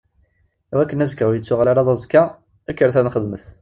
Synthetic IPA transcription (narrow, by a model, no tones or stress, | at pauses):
wækːənæzkæwjət͡sːuʁlalæðˤɑzkːa | ækːəɾθænχəd̪məθ